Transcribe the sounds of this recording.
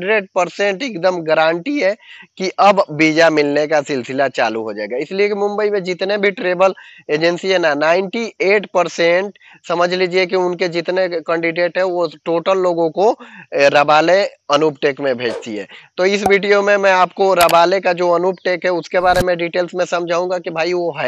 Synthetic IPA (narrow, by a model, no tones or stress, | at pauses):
ɖɾeːɖ̚pəɾsẽɳʈeːkd̪əmɡəɾãːɳʈiɦɛkiʔɐbbiːd͡ʒamɪlnekasɪlsɪlat͡ʃa̰ːlṵɦod͡ʒa̰ːḛɡaɪsliekimʊ̃mbəimẽd͡ʒɪt̪nebʱiʈɾeːbəleːd͡ʒənsiɦɛnanaːɪ̃ɳʈieːʈpəɾseɳʈ | səməd͡ʒʱliːd͡ʒiek̬iʊnked͡ʒɪt̪nekɛ̃ːɳɖiɖeːʈɦɛ̃ʋoʈoːʈəlːoːɡõkoɾəbaːle | ənupʈeːkmẽbʱeːd͡ʒt̪iɦɛ̰ːt̪oɪsbʱiɖijomẽmɛ̃aːpkoɾəbaːlekad͡ʒoənupʈeːkɦɛʊskebaːɾemẽɖiʈeːlsmẽsɐmd͡ʒʱaːũŋɡakibʱaːiʋoɦɛ